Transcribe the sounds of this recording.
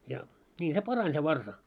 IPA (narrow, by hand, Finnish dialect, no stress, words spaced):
jɑ nʲiː se pɑrɑnʲ se ʋɑrsɑ